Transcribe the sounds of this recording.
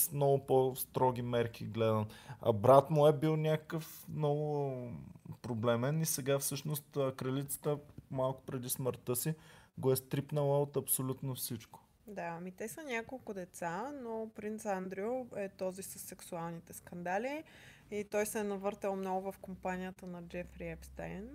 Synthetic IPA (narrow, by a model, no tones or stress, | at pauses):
smnɔɡʊpɔst̪ɾɔɡʲimɛɾk̟ʰiɡlɛd̪ənɐ̰bɾat̪noɛbilˠnʲakəkəfmnɔɡʊ | pɾoblɛmɛnisɛɡafsɤʃnost̪əkɾɐlit̪sə̥t̪əmalˠkʊ̥pɾɛd̪isməɾt̪əsiɡoɛst̪ɾipnəlˠəot̪ɐpsolʲut̪nofsit͡ʃko̥ | d̪aɐmit̪ɛsənʲakolˠkʊd̪ɛt̪sanopɾint̪sand̪ɾioɛt̪ɔzisəsːɛksualˠnit̪ɛskɐnd̪ali | it̪ɔjsɛnɐvɤɾt̪əlˠmnɔɡʊvɐfkompanʲijət̪ənɐd͡ʒɛfɾiɛpst̪a̰jn